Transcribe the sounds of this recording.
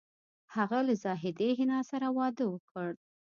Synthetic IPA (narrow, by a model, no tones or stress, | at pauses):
haɣalazɑɦɪd̪eɦɪnɑsaɾawɑd̪əwəkəɽ